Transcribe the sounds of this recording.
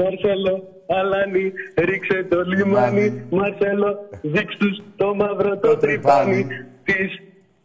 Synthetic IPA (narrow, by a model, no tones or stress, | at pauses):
mɐɾselo | ɐlɐniɾikset̪olimɐnimɐɾseloviksust̪omɐvɾot̪ot̪ɾipɐnit̪is